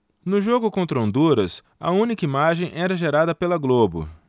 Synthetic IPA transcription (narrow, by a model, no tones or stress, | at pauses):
nʊʒoɡʊkõnt̪ɾɐõnd̪uɾɐs | ɐ̰ũnikɐimaʒẽj̃ʔɛɾɐʒeɾad̪ɐpelɐɡlobʊ̰